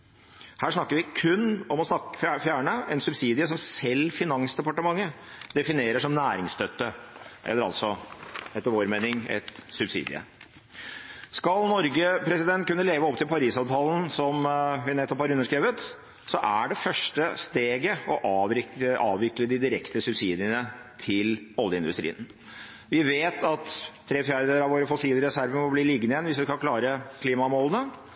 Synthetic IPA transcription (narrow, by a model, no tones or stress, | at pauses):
hæːʂnɑkːəɾʋɪkʰʉnːɔmɔsnɑkə̥fjæːɳəɛnsʉbsiːd̪ɪəsɔmsɛlːfɪnɑŋsd̪ɛpɑʈəmɑŋːəd̪ɛfɪneːɾəʂɔmnæːɾɪŋst̪œt̪ːəʔɛ̰lːəɾɑ̰t̪sɔɛt̪ːəʋoːɾmeːnɪŋɛ̰t̪sʉbsḭːd̪ɪ̰ə̰ | skɑlnɔɾɡəpʰɾɛsɪd̪ɛnt̪̚kʉnːəleːʋəɔpt̪ʰɪlpɑɾiːsɑːʋt̪ʰɑːln̩sɔmʋɪnɛt̪ːɔphɑɾʉnːəʂkɾeːʋət̪ | sɔʔæɖɛfœʂʈəst̪eːɡəɔʔɑːʋɪəʔɑːʋɪkləd̪ɪd̪ɪɾɛkt̪əsʉbsiːd̪ɪənət̪ʰɪlɔljəɪ̰nd̪ʉ̰st̪ɾḭːən | ʋɪʋeːt̪ʰɑt̪ʰː | ɾeːfjæːɾɛəɾɑʋoːɾəfɔsiːləɾɛsæɾʋəmɔlbliːlɪɡnəjɛnʋɪsʋɪskɑklɑːɾəkʰliːmɑmoːlənə